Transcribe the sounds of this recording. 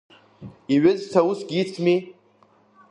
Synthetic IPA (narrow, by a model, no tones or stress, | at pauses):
iɥɪzsʰawusɡʲit͡sʰmi